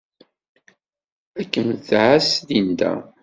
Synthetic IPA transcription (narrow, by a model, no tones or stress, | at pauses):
ækːənθʕasðind̪æ̰